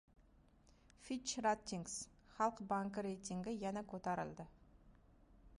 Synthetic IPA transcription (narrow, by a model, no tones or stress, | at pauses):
fiʃrat̪ʲːiŋɡs | χɑlˠəqbaŋkəɾejt̪iŋɡʲɪjænekʰot̪ɑɾə̰lˠd̪ə